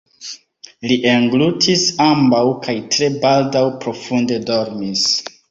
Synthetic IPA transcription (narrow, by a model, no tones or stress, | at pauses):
liʔeŋɡlutʰisambawkʰajtɾe̞baldawpɾo̞funde̞do̞ɾmis